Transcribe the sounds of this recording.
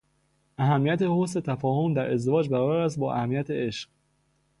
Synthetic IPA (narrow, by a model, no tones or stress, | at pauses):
ʔæɦæmːijæt̪ʰe̞hoset̪ʰæfɒːho̞md̪æɾe̞zd̪e̞vɒːd͡ʒbæɾɒːbæɾæs̬t̪̚bɒːʔæ̰hæmːijæt̪ʰee̞ʃɢ